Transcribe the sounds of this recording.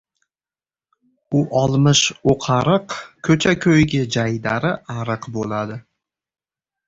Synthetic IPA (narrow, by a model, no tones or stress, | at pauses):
ʊʔɒlˠmɪʃoqʰɑɾɨqkʰɵt͡ʃʰakʲʰɵjɡʲɪd͡ʒajd̪aɾɪaɾɨqbolad̪ɪ